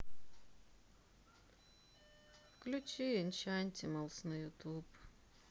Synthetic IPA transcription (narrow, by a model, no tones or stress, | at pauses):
fklʲʊt͡ʃiɪnʲt͡ʃanʲt̪ʲɪmɐlˠsnɐjʊt̪up